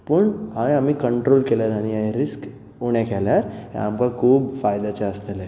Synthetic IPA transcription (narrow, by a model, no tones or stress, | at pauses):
pəɳɦãamikəɳʈɾolkelaɾañijaiɾisk | uɽ̃ekɛljaɾjã̰amkakʰuːbfajd̪at͡ɕeəst̪əle